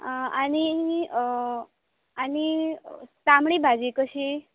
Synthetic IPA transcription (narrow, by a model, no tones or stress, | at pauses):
ani | ani | samɽibʱad͡ʒikəʃʰi